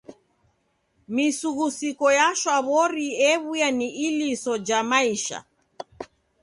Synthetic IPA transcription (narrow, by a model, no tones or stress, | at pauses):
misuɣusikɔjaʃwaβɔɾiɛβujaniilisɔd͡ʒamaiʃa̰